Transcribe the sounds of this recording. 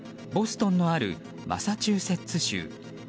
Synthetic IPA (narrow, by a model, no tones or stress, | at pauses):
bo̞sɨ̥t̪õ̞nːo̞aɾɯ̟̰ | ma̰sat͡ɕɨːse̞t͡sɨɕɨ̰ː